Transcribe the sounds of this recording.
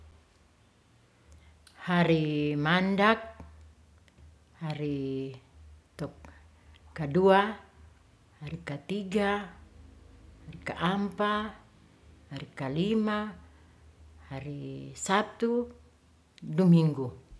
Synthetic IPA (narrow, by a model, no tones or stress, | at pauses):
haɾimandak̚ | haɾi | t̪ɔk | kːadua | haɾikat̪iɡa | harikaʔampa | haɾikalima | haɾisat̪u | dumiŋɡu